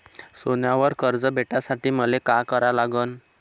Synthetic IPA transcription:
sonjaʋəɾkəɾd͡zəbʱeʈasaʈiːməlekakəɾalaɡən

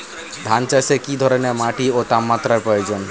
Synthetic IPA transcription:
d̪ʱant͡ɕasekid̪ʱɔɾenemaʈiot̪amːat̪ːɾaɾpɾojod͡ʑon

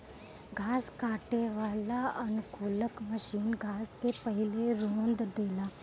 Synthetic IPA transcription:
ɡʱaːskaːʈeʋaːlaɐnʊkʰʊːləkməʃiːnɡʱaːskepəɦɪleɾõːnd̪d̪eːlaː

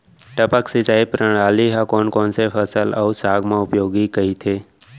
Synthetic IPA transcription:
ʈəpəksɪt͡ʃaːipɾəɽ̃aːliɦãkɔːnkɔːnsefʰəsələusaːɡmãːʊpjoːɡikəit̪ʰeː

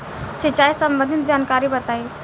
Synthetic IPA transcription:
sɪt͡ʃaːisɐ̃mbə̃nd̪ʱɪt̪̚d͡ʒaːnkaːɾibɐt̪aːi

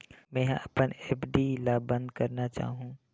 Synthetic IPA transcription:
mɛ̃ːɐpəneːpɖilabə̃nd̪kəɾnat͡ʃa̰ːɦũː

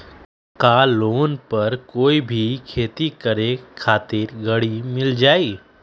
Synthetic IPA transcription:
kaloːnpɐɾkoːibʱikʰeːt̪ikəɾekʰaːt̪ɪɾɡəɽimɪld͡ʒaːiː

